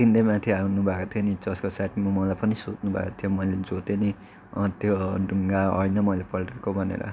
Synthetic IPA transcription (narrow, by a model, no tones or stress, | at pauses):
t̪ind̪ejmãt̪ʰiawnubʱakot̪ʰijonit͡sʌskosaʈmumʌlajpʌnisot͡snubʱa̰kot̪ʰjomʌjled͡zot̪eni | t̪joɖʱuŋɡaɦʌ̰jnʌmʌjlepʌlʈekobʱʌnḛɾʌ̰